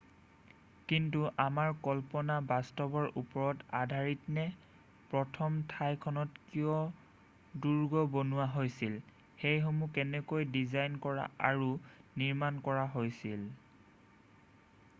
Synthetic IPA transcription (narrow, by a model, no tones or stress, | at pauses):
kintuʔamaɹkɔlpɔnabastɔbɔɹʔṵpɔɹɔtadʱaɹitnɛ | pɹɔtʰɔmtʰajkʰɔnɔtkijɔ | duɹɡɔbonuwaɦojsil | xejxomukɛnɛkojdizajnkɔɹa̰a̰ɹuniɹmankɔɹaɦojsil